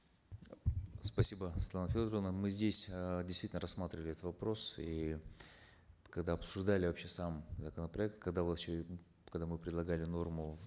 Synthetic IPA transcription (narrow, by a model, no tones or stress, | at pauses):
spɐsʲibəsʲɪt̪lˠanəfʲod̪ɾəvənəmɨzʲdʲesʲdʲɪst̪vʲitʲnəɾɐsmat̪ɾʲɪvəlʲɪɛt̪ət̪vɐpɾo̞si | kɐɡd̪aɐpsʊʐd̪alʲɪvɐpɕːesamzəkənəpɾɐɛk̚t̪kɐɡd̪avɕe | kɐɡd̪amɨpɾʲɪd̪lˠɐɡalʲɪno̞rmʊ